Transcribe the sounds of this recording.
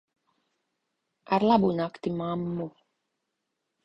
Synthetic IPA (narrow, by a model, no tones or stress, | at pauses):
aɾlˠabunakt̪imamːu